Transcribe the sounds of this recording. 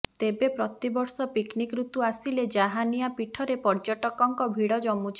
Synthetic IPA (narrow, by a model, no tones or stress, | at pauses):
t̪ebepɾɔt̪ibɔɾsɔpiknikɾut̪uasiled͡ʒaɦanijapiʈʰɔɾepɔɾd͡ʒɔʈɔkɔŋkɔbʱiɽɔd͡ʒɔmut͡ʃʰi̥